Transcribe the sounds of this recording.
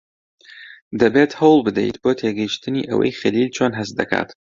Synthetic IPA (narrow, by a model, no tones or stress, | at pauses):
d̪ɐbeːt̪həwlˠbɨd̪ɛ̰jt̪bot̪ʰeːɡɐjiʃt̪ɨnḭʔə̰wɐ̰jχɐlilt͡ʃʰoːnɦɐsd̪ɐkʰa̰ːt̪